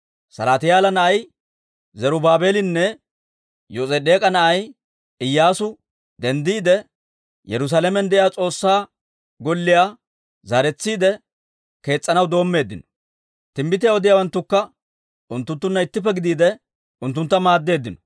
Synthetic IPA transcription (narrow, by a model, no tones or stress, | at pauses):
sɐlaːt̪ɪjaːlɐnɐʔɐj | zɐɾʊbaːbe̞ːlɪnːɛ | josʼɛd̪e̞ːkʼɐnɐʔɐj | ɪjːaːsʊ | d̪ɛnd̪iːd̪ɛ | jɛɾʊs̬aːlɛmɛnd̪ɛʔɪjaːt͡sʼo̞ːsːaː | ɡɔlːɪjaː | zaːɾɛt͡sːiːd̪ɛ | ke̞ːt͡sʼːɐnɐwd̪o̞ːmːe̞ːd̪ːɪnɔ̥ | t̪ɪmbɪt̪ɪjaɔd̪ɪjaːwɐnt̪ːʊkːɐ | ʊnt̪ːʊnt̪ːʊnːɐɪt̪ːɪfːɛɡɪd̪iːd̪ɛ | ʊnt̪ːʊnt̪ːɐmaːd̪ːe̞ːd̪ːɪnɔ̥